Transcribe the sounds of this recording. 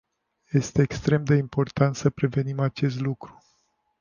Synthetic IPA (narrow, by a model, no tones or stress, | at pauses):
je̞st̪e̞ːkst̪ɾe̞md̪e̞impo̞rt̪ant̪səpɾe̞ve̞nimat͡ʃe̞st̪lukɾu̥